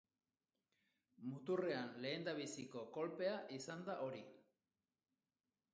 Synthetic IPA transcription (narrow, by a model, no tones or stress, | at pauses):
mut̪ure̞anle̞ːnd̪aβ̞isiko̞ko̞lpe̞aʔisand̪aʔo̞ɾi